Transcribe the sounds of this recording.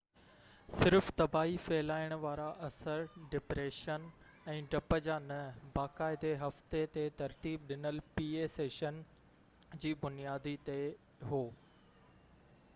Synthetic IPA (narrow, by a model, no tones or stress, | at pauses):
sɪɾft̪ɐbaːɦifɛːlaːɪɽ̃ʊ̆ʋaːɾaʔɐsəɾɖɪpɾeːʃən | ɛ̃ːɖɐpəd͡ʑaːnɐbaːkaːɪd̪eɦɐft̪et̪et̪ɐɾt̪iːb̚ɗɪnəlpiːeːseːʃən | d͡ʑiːbʊnijaːd̪it̪e | ɦoː